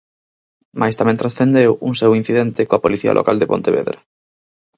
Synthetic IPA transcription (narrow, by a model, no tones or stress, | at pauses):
mʔajst̪amɛ̃nt̪ɾasθend̪ewuŋsewin̟θiðɛnt̪ɪkoapoliθiɐa̰lʔo̰ka̰ld̪epont̪eβḛðɾa